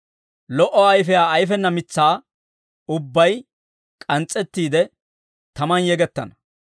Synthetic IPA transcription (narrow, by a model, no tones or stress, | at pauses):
lɔʔɔɐjfɛjaːɐjfɛnːɐmɪt͡sːaː | ʊbːɐj | kʼɐnt͡sʼːɛt̪ːiːd̪ɛ | t̪ɐmɐnjɛɡɛt̪ːɐnɐ